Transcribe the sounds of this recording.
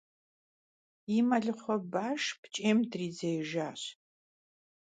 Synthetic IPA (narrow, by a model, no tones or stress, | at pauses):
imɐɮɨχʷɔbaːʂpt͡ʃʼeːmdriːd͡zɐjʒaːɕ